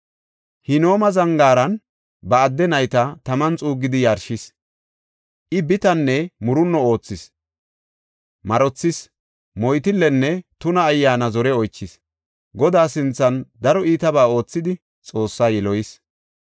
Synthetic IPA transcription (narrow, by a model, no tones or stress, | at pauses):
hɪno̞ːmɐzɐŋɡaːɾɐn | bɐːd̪ːɛnɐjt̪ɐt̪ɐmɐnt͡sʼuːɡːɪd̪ɪjɐɾʃɪs | ʔɪbɪt̪ɐnːɛmʊɾʊnːɔo̞ːt͡sːɪs | mɐɾɔt͡sːɪs | mɔjt̪ɪlːɛnːɛt̪ʊnɐːjːaːnɐzɔɾɛɔjt͡ʃːɪs | ɡɔd̪aːsɪnt͡sːɐnd̪ɐɾɔiːt̪ɐbaːo̞ːt͡sːɪd̪ɪ | t͡sʼo̞ːsːaːjɛlɔjɪs